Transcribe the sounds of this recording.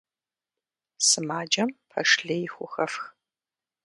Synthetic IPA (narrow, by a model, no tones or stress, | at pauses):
sɨmaːd͡ʒɐmpʰɐʂɬɐjɪxʷʊxɐfx